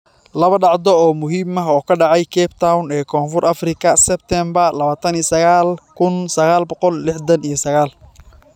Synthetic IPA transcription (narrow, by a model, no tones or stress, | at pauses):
lɐβɐɖɑʕd̪ɔɔːmʊɦiːmɐɦɔːkʰɐɖɑʕɑjkʰɛːbt̪ʰawnɛːkʰɔːnfʊrʔɐfrɪkʰɐsɛbt̪ʰɛmbɐrlɐβaːt̪ʰɐnijsɐɣaːlkʰʊnsɐɣaːlbɔqɔllɪħd̪ɐnijɞsɐɣaːl